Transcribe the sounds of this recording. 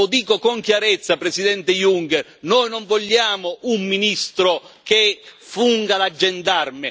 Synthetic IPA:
ʊd̪iːkokoŋkjaɾɛt̪sːapɾesid̪ɛnt̪ɪjuŋkɛrnɔːjnɔɱvɔʎːaːmʊumːinist̪ɾʊkɪfuŋɡalad͡ʒːɛnd̪armɪ

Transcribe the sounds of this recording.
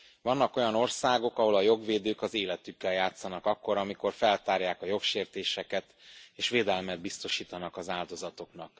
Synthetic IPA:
vɒnːɒko̞jɒno̞rsaːɡo̞kɒɦo̞lɒjo̞ɡʋeːd̪øːkɒzeːlɛt̪ykːɛljaːt̪sːɒnɒkɒkːo̞ɾɒmiko̞rfɛlt̪aːrjaːkɒjo̞kʃeːrt̪eːʃɛkɛt̪eːʃʋeːd̪ɛlmɛd̪̚bist̪o̞ʃiːt̪ɒnɒkɒzaːld̪o̞zɒt̪o̞knɒk

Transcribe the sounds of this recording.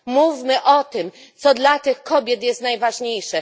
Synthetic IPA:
muvʲmɘʔɔt̪ɘm | t̪sɔd̪lat̪ɘxkɔbʲjɛt̪jɛst̪najvaʐɲejʂɛ

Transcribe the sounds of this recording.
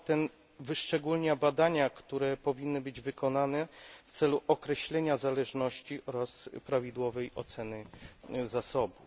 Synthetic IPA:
t̪ɛn | vɘʂt͡ʂɛɡulɲabad̪aɲakt̪uɾɛpɔvʲinːɘbɘd͡ʑvɘkɔnanɛft̪sɛluʔɔkɾɛɕlɛɲazalɛʐnɔɕt͡ɕiʔɔɾaspɾavʲid̪wɔvɛjɔ̰t̪sɛnɘzasɔbu

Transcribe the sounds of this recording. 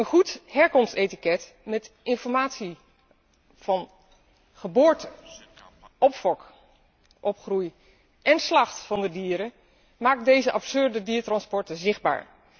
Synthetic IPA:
ənχuthɛɹkɔmstetikɛt | mɛtʔɪnfɔɹmaːtsi | v̥ɑn | χəbʊːɹtə | ɔpfɔk | ʔɔpχruj | ʔɛnslɑχtfɑndədiːəɾə | maːk̚dejzəʔɑpsøɹdədiːtrɑnspɔɹtəzɪχba̰ːɹ

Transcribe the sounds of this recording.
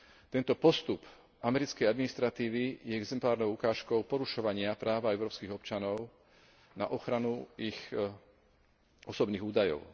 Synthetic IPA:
t̪ɛnt̪ɔpɔst̪up | amɛɾit͡skɛjad̪minist̪ɾat̪iːʋijɛɛɡzɛmplaːɾnɔʊukaːʃkɔʊpɔɾuʃɔʋaɲɪapɾaːʋaɛʊɾɔːpskiɣɔpt͡ʃanɔʊ | na̰ʔɔxɾanuix | ɔsɔbniːɣuːd̪ajɔ̰ʊ

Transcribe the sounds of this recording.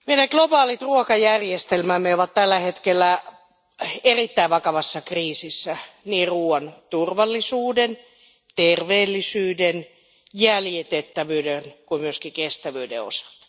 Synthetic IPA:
meinɑklobɑːlit̪ruokɑjærjest̪elmæmːeoʋɑt̪t̪ælːæhet̪kelːæ | erit̪ːæiʋʋɑkɑʋɑsːɑkriːsisːæniːruːɑnt̪urʋɑlːisuːden | t̪erʋeːlːisyːden | jæljet̪et̪ːæʋyːdenkuimyøskikest̪æʋyːdḛo̰sɑ̥t̪

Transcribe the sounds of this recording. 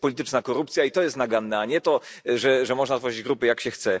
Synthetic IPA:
pɔlʲit̪ɘt͡ʂnakɔɾup̚t̪sʲjait̪ɔjɛst̪naɡanːɛaɲɛt̪ɔ | ʐɛʐɛmɔʐnazvɔʐid͡ʑɡɾupɘjakɕɛxt̪sɛ

